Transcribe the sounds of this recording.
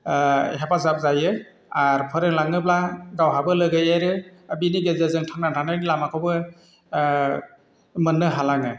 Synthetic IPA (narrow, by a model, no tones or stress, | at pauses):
ɦebazap̚zajɯ | aɾpʰɯɾɯŋlaŋɯblaɡawɦabɯlɯɡɯjaɾɯabiniɡezɯzɯŋtʰaŋnantʰanajnlamakʰɔwbɯ | mɯnːɯɦalaŋɯ